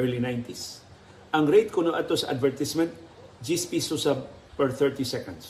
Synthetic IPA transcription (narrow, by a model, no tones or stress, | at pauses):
ɛɹlinajnt̪is | ʔɐŋɾejt̪̚kʊnoʔat̪ɔsʔa̰d̪vɛɹt̪ɪsmɛ̃nt̪̚ | d͡ʒispisusa | pɛɹθɛɹt̪isɛkɔ̃nd̪s